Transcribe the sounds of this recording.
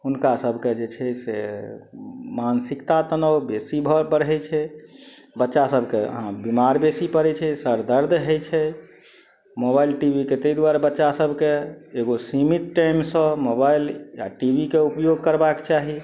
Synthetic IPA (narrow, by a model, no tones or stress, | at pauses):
ɦunkasəbʱked͡ʒet͡ʃʰɛsḛ | mansikt̪at̪ənəwbesibʱəpəɾɦɛt͡ʃʰɛ | bətːʃasəbʱkeə̰ɦãbimaɾbesipəɾɛt͡ʃʰɛsəɾd̪əɾd̪ʱɦəjt͡ʃʰɛ | mobailʈibʱiket̪əid̪waɾbətːʃasəbʱkeːɡosimit̪̚ʈajmsə̃mobailja̰ʈibʱikeupjoɡkəɾbakt͡ʃaɦi